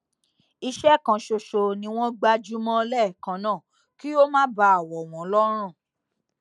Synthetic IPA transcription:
i˧ʃɛ˦kã˨ʃo˧ʃo˨nĩ˧w̃ɔ̃˦ɡ͡ba˧d͡ʒu˦mɔ̃˦lɛ˦˨kã˨˦nãː˦˨ | ki˦o˦mãː˦ba˧˦a˨wɔ˨w̃ɔ̃˨˦lɔ˦ɾ̃ã˦˨

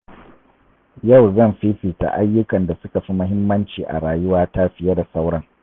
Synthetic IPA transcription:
ja˦˨wzɐ˦˨mɸi˦ɸiː˨ta̰˨ʔa˦jːʊ˦kɐ˨nda˨sʊ˦ka˨ɸi˦mʊ˦ɦɪ˦mːɐ˦nt͡ʃiː˨ʔa̰˨ɽaː˨jʊ˦waː˦ta˦ɸɪ˦jɐ˦da˨sa˦wɽɐ˦ŋ

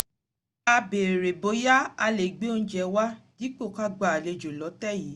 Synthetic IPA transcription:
a˧be˨ɾe˨bo˨˧˦ja˦a˧le˨ɡ͡be˨˦õ˦˧˦d͡ʒɛ˧wa˦di˦k͡po˦˨ka˦ɡ͡ba˨le˧d͡ʒo˨lɔ˨˦tɛ˦˨ji˨˦

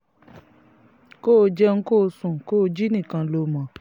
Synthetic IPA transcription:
ko˦˧d͡ʒɛ˦ŋ̩˦ko˦˧sũ˨ko˦o˧d͡ʒi˦nĩ˦˨kã˧lo˧˦˨mã˨

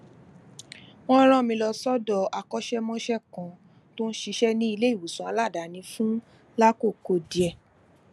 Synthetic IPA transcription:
w̃ɔ̃˦ɾ̃ã˦˨mĩ˧lɔ˧sɔ˦dɔ˦˨a˨kɔ˦ʃɛ˦mɔ̃˦ʃɛ˦kɔ̃˧ | to˦n̩˦ʃi˧˦ʃɛ˦nĩ˦i˧le˦i˦˨wu˨sũ˨˦a˧la˦˨da˨˦nĩ˧fũ˦ | la˦ko˦˨ko˧˨di˨ɛ˧˨

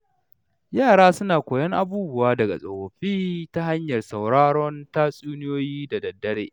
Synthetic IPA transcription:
jaː˦˨ɽaː˦sʊ˦naː˨kʷoː˨jɐ˦ŋʔa˨buː˦bʊ˦waː˦dɐ˨ɡa̰˨sʼo˨wo˨ɸiː˦ta˦ɦa˦ɲjɐ˨rsa˨wɽaː˦ɽɔ˦nta˦sʼuː˦nɪ˦joː˦jiː˦da˨dɐ˨dːɐ˦ɽḛː˦

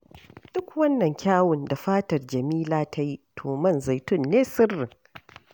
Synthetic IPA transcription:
d̥ʊ˦kwɐ˦nːɐ˨ŋkʲaː˦wʊ˨nda˨ɸaː˦tɐ˨rd͡ʒɐ˨miː˦laː˦tʰa˦ji˦tʰoː˨mɐ˦˨nza˨jtʊ˦˨nːeː˦sɪ˦rːɪ˨ŋ

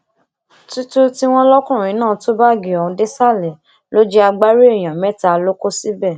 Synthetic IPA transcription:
tu˦tu˦ti˦w̃ɔ̃˦lɔ˦kũ˦˨ĩ˨˦nãː˦˨to˦ba˦˨ɡi˨ɔ˨ũ˧de˦sa˦˨lɛ˨ | lo˦d͡ʒi˦a˧ɡ͡ba˦ɾe˦e˦˨j̃ã˨mɛ˨˦ta˦lo˦ko˦si˦bɛ˦˨

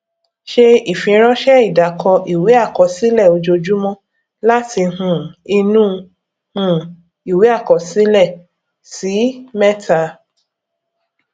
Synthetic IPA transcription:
ʃe˦i˦˨fĩ˧˦ɾ̃ɔ̃˦ʃɛ˦i˦˨da˨kʰɔ˧ʔi˨wi˨˦a˦˨kɔ˧˨si˦lɛ˦˨o˧d͡ʒo˧d͡ʒu˦mɔ̃˦ | la˦tʰi˧ɦũ˨i˧nũ˦ | hũ˦ | i˨we˨˦a˦˨kɔ˨si˨˦lɛ˦˨ | si˨˦mɛ̃˦ta˧

